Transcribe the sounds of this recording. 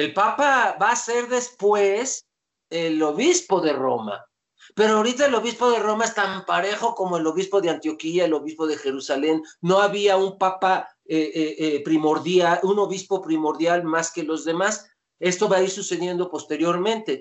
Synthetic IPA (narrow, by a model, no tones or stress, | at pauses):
e̞lpapaβaːse̞ɾðe̞spwe̞s | elo̞βispo̞ðe̞ro̞̰ma̰ | pe̞ɾoawɾit̪̬aelo̞βispo̞ðe̞ro̞mae̞st̪ampaɾe̞xo̞ko̞moelo̞βispo̞ðeant̪jo̞kiaelo̞βispo̞ðe̞xe̞ɾusale̞nːo̞aβiaumpapa | eʔʔpɾimoɾðjauno̞βispo̞pɾimo̞ɾðjalmaskelo̞zðe̞mas | e̞st̪o̞βaiɾsuse̞ðje̞nd̪o̞po̞st̪e̞ɾjo̞ɾmẽ̞nt̪e̞